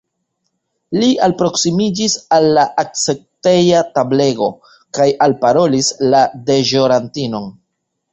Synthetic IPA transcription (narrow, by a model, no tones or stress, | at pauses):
liʔalpɾo̞ksimid͡ʒisalːaʔak̚t͡se̞k̚te̞jatable̞ɡo̞ | kajalpaɾo̞lislade̞ʒo̞ɾantino̞n